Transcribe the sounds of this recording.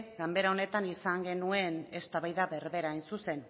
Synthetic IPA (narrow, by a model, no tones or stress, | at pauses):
ɡambe̞ɾao̞ne̞t̪anisaŋɡe̞nue̞ne̞st̪aβajðaβe̞ɾβe̞ɾaːjnsuse̞n